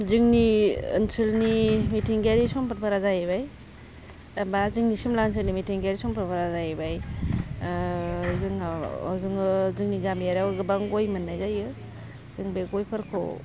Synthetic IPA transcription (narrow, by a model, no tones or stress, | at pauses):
zɯŋniɯ̰nsɯlnimitʰiŋɡaɾisɔmpat̚pʰaɾazajebaj | bazɯŋnisimlansɯlnimitʰiŋɡaɾisɔmpʰɯɾpʰaɾazajebaj | zɯŋa̰zɯŋɯzɯŋniɡamjaɾawɡɯbaŋɡojmanːajzajɯ | zɯŋbeɡɔjpʰaɾkʰo̰